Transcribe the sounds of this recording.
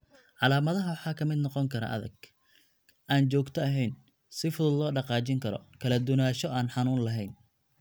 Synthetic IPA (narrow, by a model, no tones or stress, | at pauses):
ʕɑlaːmɐðɐɦɐwɑħɑːkʰɐmɪd̪nɔqɔŋkʰɐɾɐ̰ʔɐ̰ðɐ̰ɡ | ʔaːnt͡ʃɔːɡt̪ʰɐɐɦɛjn | sɪfʊðʊlɔːɖɑqɑːt͡ʃɪŋkʰɐɾɔ̰kʰɐlɐd̪ʊnaːʃɔaːnħɑnuːnlɐɦɛjn